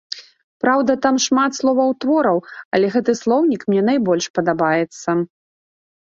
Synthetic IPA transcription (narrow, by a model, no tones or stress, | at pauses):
pɾawd̪ɐt̪amʂmat̪slˠɔvɐwt̪vɔɾɐwɐlʲɛɣɛt̪ɨslˠɔwnʲikmnʲɛnajbɔlʲʂpɐd̪abajɛt̪sːɐ